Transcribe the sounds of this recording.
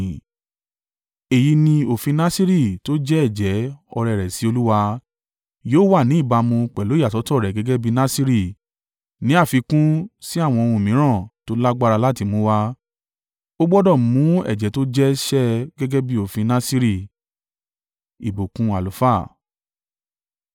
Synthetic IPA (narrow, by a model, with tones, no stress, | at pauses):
e˨ji˧nĩ˧o˨fĩ˧nã˦si˦ɾi˦˨to˦d͡ʒɛ˦ɛ˦˨d͡ʒɛ˨˦ɔ˧ɾɛ˨ɾɛ˨si˨˦o˧lu˦wa˧ | joː˦wa˦˨nĩ˨˦i˦˨ba˧mũ˧k͡pɛ˨lo˨˦a˦˨tɔ˨˦tɔ˦˨ɾɛ˨ɡɛ˨˦ɡɛ˦bi˦nã˦si˦ɾi˦˨ | nĩ˨˦a˦˨fi˧kũ˦si˦a˦˨w̃ɔ̃˧ũ˧˨mĩ˨˦ɾ̃ã˦˨to˨˦la˦ɡ͡ba˦ɾa˧la˦ti˧mõ˨˦wa˧ | o˦ɡ͡bɔ˦dɔ̃˦˨˦mũ˨˦ɛ̰˦˨d͡ʒɛ˨˦to˦d͡ʒɛ˦ʃɛ˦ɡɛ˦ɡɛ˦bi˦o˦˨fĩ˧nã˦si˦ɾi˦˨ | i˨bo˨kũ˧a˨lo˨˦fa˦˨